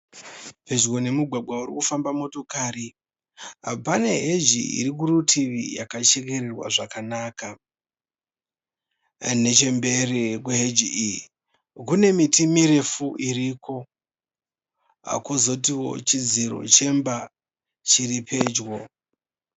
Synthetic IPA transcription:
pe̞d͡ʒɣo̞ne̞muɡʱwaɡʱwauɾḭkufambamo̞to̞kaɾi | ɦa̰opane̞ɦed͡ʒiḭɾik̬uɾutʰiʋḭjakat͡ʃe̞ke̞ɾerwa̰ʐakanaːka | ne̞t͡ʃe̞mbe̞rek̬weɦed͡ʒiii | kune̞mitimiɾe̞fuʔiɾikʰo̞ | a̰kozo̞t̬iwo̞̰t͡ʃid͡ziɾo̞̰t͡ʃe̞mba | t͡ʃiripʰe̞ːd͡ʒwo̞

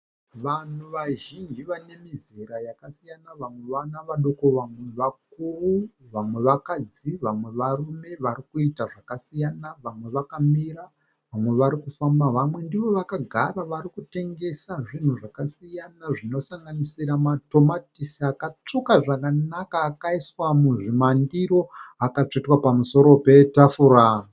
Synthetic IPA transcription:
ʋan̤uʋaʒind͡ʒiʋane̞miziɾajakasijanaʋamwe̞ʋanaʋaɗoko̞ʋamwe̞ʋak̚uruʋamwe̞ʋakad͡ziʋamwe̞ʋarume̞ʋaɾikuitaʐakasijanaʋamwe̞ʋakamiɾa | ʋamwe̞ʋaɾikufambaʋamwe̞ndiʋo̞ʋakaɡʱaɾaʋaɾikute̞ŋɡe̞saʐin̤uʐakasijanaʐino̞saŋɡanisiɾamato̞matisiakat͡ʂukaʐakanakaːkaiswamuʐimandiɾo̞akat͡ʂetwapamuso̞ɾo̞pe̞tafuɾa

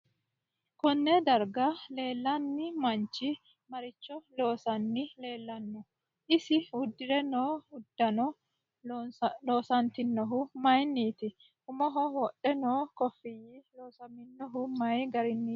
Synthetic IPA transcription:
kɔnːɛd̪ɐɾɡɐle̞ːlːɐnːɪmɐnt͡ʃːɪ | mɐɾɪt͡ʃːɔlo̞ːsɐnːɪle̞ːlːɐnːɔ | ʔɪsɪʊd̪ːɪɾɛnoːʊd̪ːɐnɔ | lo̞ːsɐnt̪ɪnːɔɦʊmɐjnːiːt̪ɪ | ʊmɔɦɔwɔʔɛnoːkɔfːɪjiloːsɐmɪnːɔɦʊmɐjɡɐɾɪnːiː

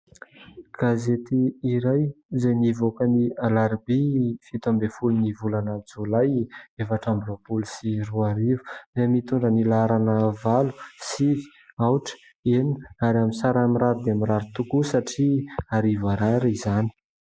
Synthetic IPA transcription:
ɡ̥azet̪iːɾajzejnivokənialaɾbifit̪ambefulunivulanad͡zulajefaʈ͡ʂambropulusiruaɾivu̥nemit̪uɳɖ͡ʐənilaɾanəvalusivi̥ | awʈ͡ʂə̥ | enaɾaminsaɾamiɾaɾid̪eamiraɾit̪ukusaʈ͡ʂiaɾivaɾaɾaizani̥

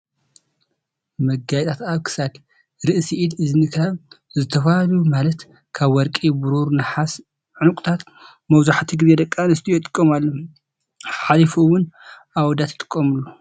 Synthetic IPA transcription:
mɐɡajɛt̪ʰʼat̪aβkʰɨ̥sad̪ | ɾɨʔsiʔid̪ɨzɨnɨkʰβzɨt̪ʰɐfahalumalɐt̪ | kʰaβwɔɾkʼibuɾuɾnɨħas | ʕɨnukʼt̪ʰat̪ | mɐwzaħt̪ʰiɡɨzed̪ɐkʼːanɨst̪ʰijɛt̪ʼɨkʼːɐmalːo | ħalifuwʊnʔawd̪at̪ʰɨt̪ʼɨ̥kʼːɐmɨlːu

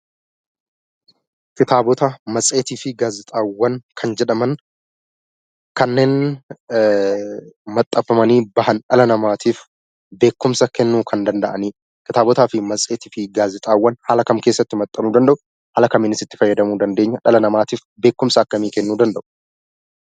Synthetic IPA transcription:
kɪt̪aːbɔt̪ɐmɐsʼe̞ːt̪iːfɪɡaːzɪt̪ʼaːwːɐnkʰɐnd͡ʒɛᶑɐmɐn | kɐnːe̞ːn | mɐt̪ʼːɐfːɐmɐniːbɐhɐnᶑɐlɐnɐmaːt̪ʰiːf | be̞ːkːʊmsɐkɛnːuːkʰɐnd̪ɐnd̪ɐʔɐniː | kɪt̪aːbɔt̪aːfɪmɐsʼe̞ːt̪iːfɪɡaːzɪt̪ʼaːwːɐnhɐlɐkɐmke̞ːsːɐt̪ːɪmɐt̪ʼːɐnuːd̪ɐnd̪ɐʔʊ | hɐlɐkɐmiːnɪsɪt̪ːɪ̥fɐjːɐd̪ɐmuːd̪ɐnd̪e̞ːɲːɐᶑɐlɐnɐmaːt̪iːf | be̞ːkːʊmsɐːkːɐmiːkɛnːuːd̪ɐnd̪ɐʔʊ̥

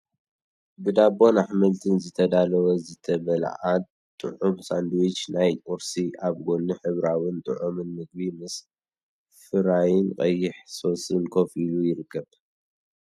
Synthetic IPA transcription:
bɨd̪abo̞naħmɐlt̪ʰɨnzɨt̪ʰɐd̪alɐwɐzɨt̪ʰɐβɐla̰ʕa | t̪ʼːɨ̰ʕumsand̪wit͡ʃnajʼoɾsiʔaβɡo̞nːɨħɨβɾawɨnt̪ʼɨ̰ʕumɨnːɨɡ̚bimɨs | fɨɾajɪnqʼɐjɪħso̞sɨnkʰofilujɪɾɨkːɐβ

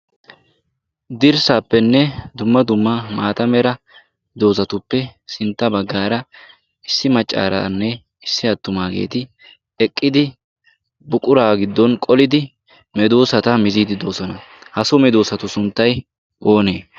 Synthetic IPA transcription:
d̪ɪɾsaːpːɛnːɛd̪ʊmːɐd̪ʊmːɐmaːt̪ɐmɛɾɐ | d̪o̞ːsɐt̪ʊpːɛsɪnt̪ːɐbɐɡːaːɾɐ | ɪsːɪmɐt͡ʃʼːa̰ːɾa̰ːnːɛ | ɪsːɪɐt̪ːʊmaːɡe̞̰ːt̪ɪ | ɛkʼːɪd̪ɪ | bʊkʼʊɾaːɡɪd̪ːɔnkʼɔlɪd̪ɪ | mɛd̪o̞ːsɐt̪ɐmɪziːd̪ɪd̪o̞ːsɔnɐhɐsɔmɛd̪oːsɐt̪ʊsʊnt̪ːɐj | ʔo̞ːneː

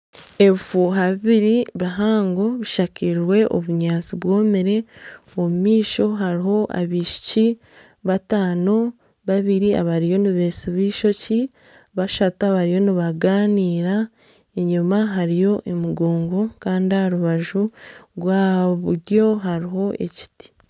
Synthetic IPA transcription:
e̞fuɦaβiβiɾiβaɦaːŋɡo̞βiʃakiɾwe̞ʔo̰βuɲaːt͡siβwo̞ːmeɾe̞ | omumiːʃo̞ɦaɾiɦo̞ʔa̰βiʃi̥ci | βataːno̞ | βaβiɾia̰βaɾijo̞niβeːsiβiːʃo̞ci | βaʃataβaɾijo̞niβaɡaːniːɾa | eɲumaɦaɾijo̞ʔemuɡoːŋɡo̞kaːndiaɾuβaʒuɾwaːβuɟo̞ɦaɾiɦo̞ʔe̞̰ci̥ti̥

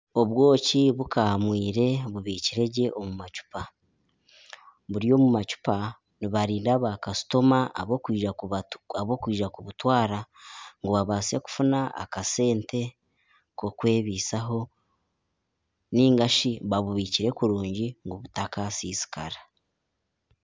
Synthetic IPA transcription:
o̞βwo̞ːciβukamwiːɾe̞βuβiːciɾe̞ɟe̞ʔo̞mumat͡ʃu̥pa | βuɾijo̞ːmumat͡ʃu̥pa | niβaɾiːndaβakasu̥to̞maʔaβokwiːʒaaβo̞kwiːʒakuβutwaːɾaŋɡuβaβaːsieku̥funaa̰kase̞ːnte̞ | ko̞kwe̞ːβiːsaɦo̞ | niːŋɡaʃiβaβuβiːciɾe̞kuɾuːɲɟiŋɡuβutakasiːsi̥kʰa̰ɾḁ

